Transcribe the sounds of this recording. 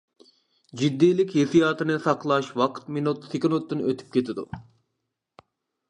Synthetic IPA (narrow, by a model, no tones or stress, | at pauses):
d͡ʒid̪ːiːlɪkʲhesijɑːt̪ɨnɨsɑqlˠɑʃwɑqʰt̪minut̪sɪkʲɪnut̪ːɨnøt̪ʰy̥p̚kʲet̪ʰɪd̪ṵ